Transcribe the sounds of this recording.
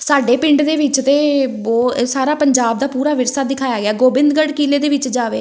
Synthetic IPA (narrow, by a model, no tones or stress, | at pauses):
saːɖeːpɪ̃ɳɖd̪eːʋɪt͡ʃt̪eːoːsaːɾaːpəɲd͡ʒaːb̚d̪aːpuːɾaːʋɪɾsaːd̪ɪkʰaːjaːɡɪaːɡoːbɪ̃nd̪ɡəɽkiːleːd̪eːʋɪt͡ʃd͡ʒaːʋḛː